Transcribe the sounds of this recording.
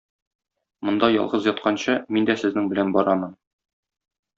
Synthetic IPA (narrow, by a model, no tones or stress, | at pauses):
mŏnd̪ɑjɒ̰lˠʁɤzjɒt̪̚qɑnɕɤmind̪æsɘ̆znɘŋbɘ̆lænbɒɾɑmɤn